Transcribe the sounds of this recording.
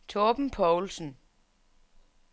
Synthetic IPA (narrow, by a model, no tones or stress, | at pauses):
t͡sʰɔːb̥m̩pʰɒʊlsn̩